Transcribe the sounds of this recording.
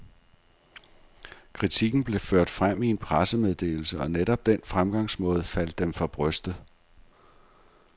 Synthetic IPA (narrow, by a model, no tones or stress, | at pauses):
kʰʁit͡sʰiɡ̥n̩b̥le̝føɐ̰d̥fʁam̰ie̝npʰʁasəmeð̞ˠd̥e̝̰ːl̩səɒ̽neɾɒ̽b̥̚d̥enfʁamɡ̥ɑ̈ŋ̰smɔ̽ːð̞ˠfæl̰d̥ːemfʁɑ̈b̥ʁœsd̥ð̩ˠ